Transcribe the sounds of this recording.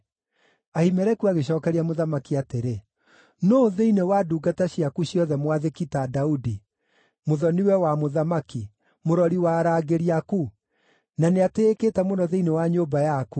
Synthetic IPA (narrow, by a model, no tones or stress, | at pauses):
ahimɛɾɛkuaɣeɕ̬ɔːkɛɾiamoðamakiateɾe | noðeinewaduːɡataɕiakuɕjɔðɛmwaðekitadaudi | moðɔniwɛwamoðamaki | moɾɔɾiwaːɾaːɡeɾiaku | naneateːketɛmonɔðeinewaɲoːbajaku